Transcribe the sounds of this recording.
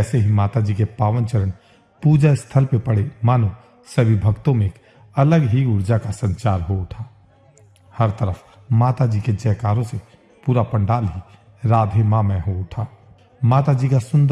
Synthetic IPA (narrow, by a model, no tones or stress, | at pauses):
ɛːseɦimaːt̪ad͡ʒiːkepaːʋənt͡ʃəɾən | puːd͡ʒaɪst̪ʰəlpepəɽemaːnu | səbʱibʱəɡt̪õmẽːk | ɐləɡɦiʊɽd͡ʒakasə̃ɲt͡ʃaːɾɦoʊʈʰaː | həɾt̪əɾəf | maːt̪ad͡ʒiːked͡ʒɛːkaːɾõse | puːɾapə̃ɳɖaːlɦi | ɾaːd̪ʱemamẽɦoʊʈʰaː | maːt̪ad͡ʒiːkasʊ̃nd̪